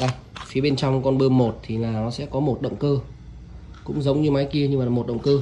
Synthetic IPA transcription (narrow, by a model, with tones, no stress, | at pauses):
ɗa˧˩j | fi˨˦əɓe˧nt͡ɕɔ˧wŋ͡mkɔ˧nɓɨ˧əmo˨˩t̚t̪ʰi˨˩laː˨˩nɔ˨˦sɛ̰˧˥kɔ˨˦mo˨˩t̚ɗə̰˧˨wŋ͡mkəː˧ | kʊ̰˧˥ŋ͡mzə˨˦wŋ͡mɲɨ˧maː˨˦jki˧əɲɨ˧maː˨˩mo˨˩t̚ɗə̰˧˨wŋ͡mkəː˧